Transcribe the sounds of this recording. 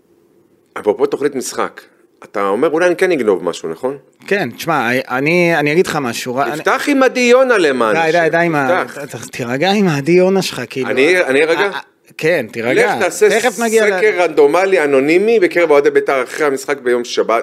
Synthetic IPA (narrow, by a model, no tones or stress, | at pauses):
avalpot̪oχlit̪misχa̰k | at̪aome̞ʁulajanikeniɡno̞vma̰ʃuna̰χo̞n | ke̞ntʃmaaanianijaɡidχamaʃuʁaift̪aχimad̪ijonalemandajd̪ajdaimaatat̪iʁaɡaimaːdijo̞naʃelχakiiːlaunianiʁaɡa | kentiʁaleataːseeχefnaɡiaekeʁand̪o̞maliano̞nimibekeʁevaod̪ebet̪aʁaχʁehamisχak̚bejo̞mʃabat